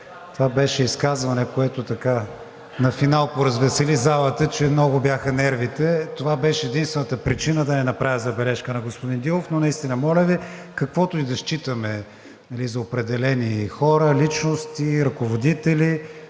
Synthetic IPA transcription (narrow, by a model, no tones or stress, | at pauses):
t̪ovabɛʃɛiskazvɐnɛkoɛt̪ot̪ɐka | nɐfinalˠpoɾɐzvɛsɛlizalˠət̪ət͡ʃɛmnɔɡʊbjaxənɛɾvit̪ɛt̪ovabɛʃɛːd̪inst̪vɛnət̪əpɾit͡ʃinəd̪ɐnɛnɐpɾavʲjəzɐbɛlɛʃkənɐɡospʊd̪ind̪ilˠofnonɐist̪inəmɔlʲəvikɐkvɔt̪ʊid̪ɐʃt͡ʃit̪əmɛ | nɐlizɐopɾɛd̪ɛlɛnixɔɾəlit͡ʃnost̪iɾɐkovod̪it̪ɛli